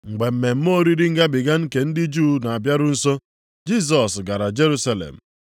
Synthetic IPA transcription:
ŋ͡m̩˨ɡ͡be˨m̩˨me˨m̩˦mo˦ɾi˦ɾi˦ŋ̩˦ɡa˦bɪ˨ɡa˦ŋ̩˦ke˨n̩˦dɪ˦d͡ʒuː˦na˨a˨bja˦ɾʊ˦n̩˦so˦ | d͡ʒi˦s̬ɔ˨sɡa˨ɾa˨d͡ʒe˦ɾu˦sa˦lḛ˨m̩˨

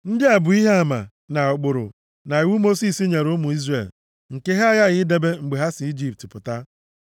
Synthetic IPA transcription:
n̩˦dɪ˦a˨bʊ˨i˦ɦe˦a˨ma̰˨ | na˨ʊ˨k͡pʊ˨ɾʊ̰˨ | na˨i˨wu˦mo˦si˦si˦ɲe˨ɾʊ˦mʊ˨i˦zre˦˨l | ŋ̩˨ke˦ɦa˦a˦ja˦ɣɪ˦de˦be˦ŋ͡m̩˨ɡ͡be˨ɦa˦si˨i˦d͡ʒi˦p̚tɪ˨pʊ˨ta˦

